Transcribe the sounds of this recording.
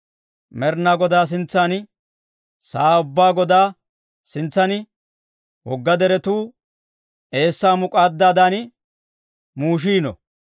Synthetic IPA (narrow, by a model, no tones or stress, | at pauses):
mɛɾnaːɡɔd̪aːs̬ɪnt͡sːaːnɪ | saːʊbːaːɡɔd̪aː | sɪnt͡sːɐnɪ | wɔɡːɐd̪ɛɾɛt̪uː | ʔe̞ːsːaːmʊkʼaːd̪ːaːd̪anɪ | muːʃ̬iːnɔ̰